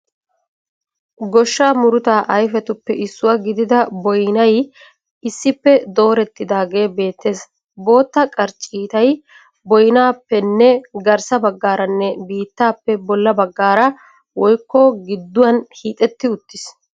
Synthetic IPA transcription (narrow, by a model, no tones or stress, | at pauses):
ɡɔʃːaːmʊɾʊt̪aːʔɐjfɛt̪ʊpːɛʔɪsːʊwɐɡɪd̪ɪd̪ɐbɔjnɐj | ɪsːɪpːɛd̪o̞ːɾɛt̪ːɪd̪aːɡe̞ːbe̞ːt̪ːe̞ːs | bo̞ːt̪ːɐkʼɐɾt͡ʃʼiːt̪ɐj | bɔjnaːpːɛnːɛɡɐɾsɐbɐɡːaːɾɐnːɛbiːt̪ːaːpːɛbɔlːɐbɐɡːaːɾɐ | wɔjkːɔɡɪd̪ːʊwɐnhiːt̪ʼɛt̪ːɪʊt̪ːɪs